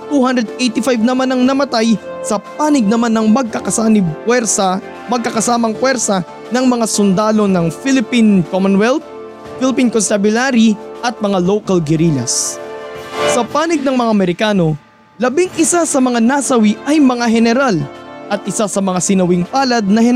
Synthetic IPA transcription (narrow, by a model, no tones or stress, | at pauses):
t̪uːhand̪ɾɛd̪̚ʔɛjt̪ɪfajvnɐmanɐŋnɐmɐt̪ajsɐpaːnɪɡ̚nɐmanːɐŋmɐɡ̚kɐkɐsaːnɪb̚pɛ | mɐɡ̚kɐkɐsaːmɐŋpwɛɾsɐ | nɐŋmɐŋasʊnd̪aːlo̞nɐŋfɪlɪpinkomɐnwɛlt̪̚ | fɪlɪpinkonst̪abɪlaɾiʔɐt̪̚mɐŋalowkɐlɡɪɾiːlɐ̰s | sɐpaːnɪɡ̚nɐŋmɐŋaʔɐmɛɾɪkaːno̞ | lɐbiŋʔɪsasɐmɐŋanasɐwiʔɐjmɐŋaɦɛnɛɾalʔɐt̪ʔɪsasɐmɐŋasɪnɐwɪŋpaːlɐd̪̚nɐhɛ